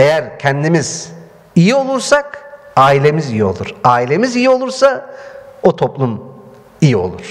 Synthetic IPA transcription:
e̞jæɾcʰɛnd̪imiz̥ | ijio̞lˠuɾsak | aːilʲe̞mizijio̞̰lˠuɾ̥aːilʲe̞mizijio̞lˠuɾsa | ot̪ʰo̞plˠum | ijio̞̰lˠuɾ̥

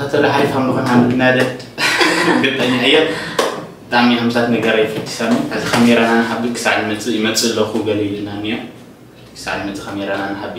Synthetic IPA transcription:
at̪ʰɐlaħalifamlɨxonhanɨɡ̪ɨnad̪ɐt̪ | ɡɨt̪ʼːɐɲːaɨjːo | bɨt̪ʼaʕmihamsat̪nɐɡɐɾajɛfɐt̪ʰːi̥samihazixɐmeɾananaħabikʰɨ̥saʕlimɐt͡sʼɨmɐt͡sʼɨlɐxuɡɐlɐlɨnanijo | kʰɨsa̰ʕlimɐt͡sʼɨkʰɐmeɾananaħabi

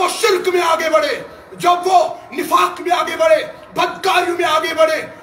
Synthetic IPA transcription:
oʃɪlkmẽaːɡebɐɽe | d͡ʒɐbʋonɪpʰaːkmẽaːɡebɐɽeː | bɐd̪kaːɾjõmẽaːɡebɐɽeː

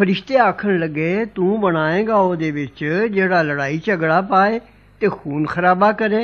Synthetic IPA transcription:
pʰəɾɪʃt̪eːaːkʰəɳləɡeːt̪ũːbəɽ̃aːẽːɡaːoːd̪eːʋɪt͡ʃd͡ʒeːɽaːləɽaːiːt͡ʃəɡɽaːpaːeː | t̪eːxʰuːnxʰəɾaːbaːkəɾeː

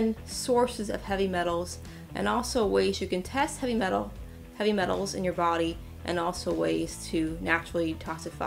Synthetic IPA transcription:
nsɔɹsɨzʌ̰v̥hɛvimɛɾl̩ˠz | ʔɨ̰̃nɔlˠsoʊweɪzjɨkɨ̃ntʰɛst̚hɛvimɛɾ̩ˠ | hɛvimɛɾl̩ˠzɨ̰̃njə˞bɑɾi | ʔɨ̰̃nɔlˠsoʊweɪz̥tʰɨnæt͡ʃɹl̩ˠitʰɑsɨfa̰

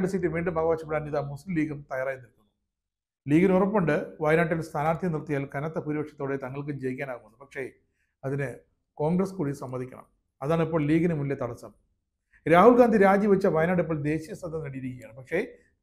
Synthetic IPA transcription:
ɖɨsitːɨʋiːɳɖɨmɐɣɐʋaːɕɐpːeɽaːniːðamuslimliːɡumt̪ɐjaːɾaːjunːilkːunːu | liːɡɨnurɐpːoɳɖɨʋɐjnaːʈ̬ːinɖest̪ʰaːnaːɾt̪ʰijɐnirt̪ijaːlkɐnɐt̪ːepuːɾibɐkʂɐt̪ːo̞ːɽet̪ɐŋːɐɭk̬ɨd͡ʑejikʲːaːnaːɣumunːupɐkʂe̞ | ɐðinɨ | ko̞ːŋɡrɐskuːɽisɐmːɐðikʲːɐ̰ɳɐ̰m | ɐðaːɳipːo̞ːɭliːɡɨnɨmunlːet̪ɐɽɐsːɐm | ɾaːhulɡaːnd̪ʱiɾaːd͡ʑiʋɐt͡ɕːɐʋɐjnaːɖip̬ːoːɭd̪e̞ːɕijɐst̪ɐd̪ʱːɐŋkɐɽijiɾikʲːjaːɳɨpɐkʂe̞

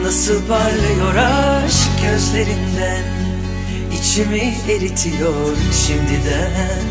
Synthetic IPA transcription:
nasɯlˠpʰaɾlˠajo̞ɾaʃɟøzlʲe̞ɾind̪æn | it͡ʃʰimi | eɾit̪ʰijo | ɾʃimd̪id̪ɛ

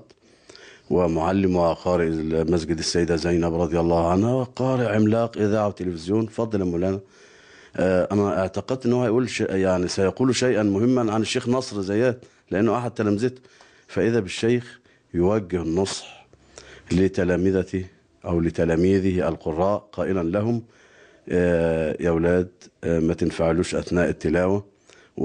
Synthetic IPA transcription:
t̪ | wɪmʊʕalːɪmwɪqɑːɾɪʔlmæsɡɪd̪asːæjːd̪azæjnæbɾˤɑd̪ˤjɑlˤːɑːhʕanhawɪqɑːɾɪʔʕɪmlɑːqʔɪðaːʕawɪt̪ːɪlɪfɪzjoːnfɑd̪ˤːɑlamulæːnæ | ʔʔænæʔɪʕt̪aqɪd̪t̪ʔɪnːwhæjʔuːlʃeʔjaʕnisæjɑquːluʃajʔanmʊhɪmːanʕanɪʃːeːxnɑsˤɾzajːæːt̪ | lɪʔanːʊʔaħad̪̚t̪ːælæmɪzɪt̪ | fæʔɪðæbɪʃːæjx | jʊwæɡːɪhnːosˤħ | lɪt̪ælæːmɪðæt̪i | ʔæwlɪt̪ælæːmiːðɪælqorˤːɑːʔqɑːʔɪlænlæɦʊm | jæwlæːd̪mæt̪ɪnfaʕaluːʃʔæθnæːʔɪt̪ːɪlæːwæ

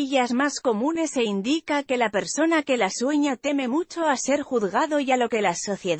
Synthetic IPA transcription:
ʎazmasko̞mune̞seind̪ikake̞lape̞ɾso̞nake̞laswe̞ɲat̪e̞me̞mut͡ʃo̞ase̞ɾxuðɣaðo̞ʝalo̞ke̞laso̞θje̞ð

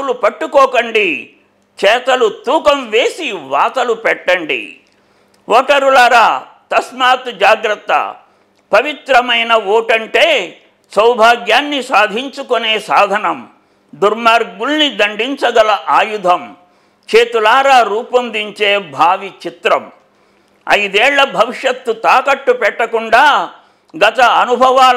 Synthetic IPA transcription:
ulupɐʈːukɔːkɐɳɖi | t͡ʃɛːt̪ɐlut̪uːkɐmʋe̞ːsiʋaːt̪ɐlupɛʈːɐɳɖḭ | ɔːʈɐɾulɐɾaː | t̪ɐsmaːt̪d͡ʒaːɡɾɐt̪ːɐ̰ | pɐʋit̪ɾɐmɐjnɐʋoːʈɐɳʈeː | sɐwbʱaːɡjaːnːisaːd̪ʱiɲt͡ʃukoneːsaːd̪ʱɐnɐm | d̪uɾmaːɾɡuɭnid̪ɐɳɖiɲt͡ʃɐɡɐlɐʔaːjud̪ʱɐm | t͡ʃeːt̪ulaːɾaːɾuːpɐmd̪iɲt͡ʃeːbʱaːʋit͡ʃit̪ɾɐm | ɐ̰jd̪eːɭːɐbʱɐʋiʂjɐt̪ːut̪aːkɐʈːupɛʈːɐkuɳɖaː | ɡɐt̪ɐɐnubʱɐʋaː

